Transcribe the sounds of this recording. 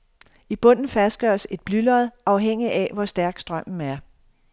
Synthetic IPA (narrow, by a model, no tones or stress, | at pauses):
ib̥ɔ̽n̰n̩fæsd̥̚ɡ̥ɶ̰ɐse̝d̥̚b̥lylɐð̩ˠʔɑ̈ʊɦeŋ̰iʔæʋɒsd̥æɐɡ̥sd̥ʁɶm̰n̩æɐ